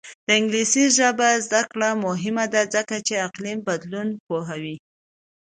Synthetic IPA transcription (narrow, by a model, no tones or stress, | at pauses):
d̪̥əɪŋɡlisizʒəbazd̪akɽamʊɦɪmad̪ad͡zəkat͡ʃeaqlimbad̪lunpoɦawi